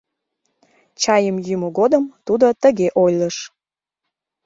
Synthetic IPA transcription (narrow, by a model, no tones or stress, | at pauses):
t͡ɕɑjəmjymoɣod̪əmt̪ud̪ot̪əɣeʔojləʃ